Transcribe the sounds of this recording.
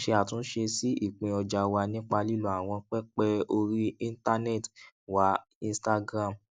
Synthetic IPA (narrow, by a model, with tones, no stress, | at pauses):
ʃe˧a˨tũ˨˦n̩˦ʃe˧si˦i˦˨k͡pĩ˧ɔ˧d͡ʒa˧wa˧nĩ˦k͡pa˧li˦lu˦a˨w̃ɔ̃˧k͡pɛ˦k͡pɛ˦o˧ɾi˦ĩ˦n˦ta˧nɛ˦˨t | wa˨˦ | ĩ˧˦sta˧ɡɾã˦˨m